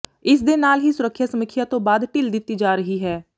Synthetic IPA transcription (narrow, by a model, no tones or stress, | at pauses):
ɪs̬d̪enaːlɦisʊɾəkʰːjasəməkʰːɪjat̪õːbaːd̪ʈɪld̪ɪt̪ːid͡ʒaːɾəɦiɦɛː